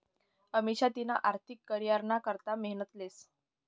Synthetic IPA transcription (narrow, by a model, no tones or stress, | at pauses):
əmiɕat̪inaʔaɾt̪ʰikːəɾjaɾɳakəɾt̪aməɦnət̪les